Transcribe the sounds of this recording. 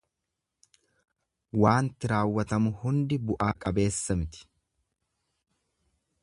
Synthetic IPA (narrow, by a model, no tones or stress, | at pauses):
waːnt̪ɪɾaːwːɐt̪ɐmʊhʊnd̪ɪbʊʔaːkʼɐbe̞ːsːɐmɪt̪ɪ̥